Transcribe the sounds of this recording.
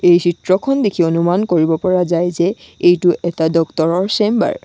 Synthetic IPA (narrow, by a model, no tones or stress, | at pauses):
ejsitɹɔkʰɔndekʰionumankoɹibɔpɔɹazajzɛ | ejtʊʔɛtadɔktɔɹɔɹsemba̰ɹ